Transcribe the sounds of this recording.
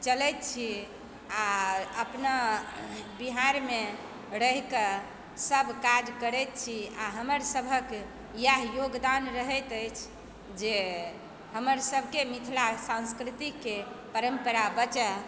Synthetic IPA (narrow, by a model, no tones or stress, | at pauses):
t͡ʃəlɛt̪̚t͡ʃʰi | aəpna | biɦaɾme | ɾəɦikə | səbʱkad͡ʒkəɾɛt̪̚t͡ʃʰiaɦəməɾsəbʱək | jaɦjoɡd̪anɾəɦɛt̪əjt͡ʃʰ | d͡ʒe | həməɾsəbʱkemit̪ʰlasãnskɾit̪ikepəɾəmpəɾabət͡ʃə